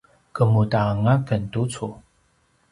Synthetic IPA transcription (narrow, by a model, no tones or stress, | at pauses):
kəmutaːŋakəntut͡sʰu